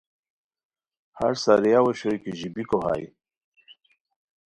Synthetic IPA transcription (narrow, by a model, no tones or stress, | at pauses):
ha̰ɾsaɾijaweɕojkeʑibikoɦa̰j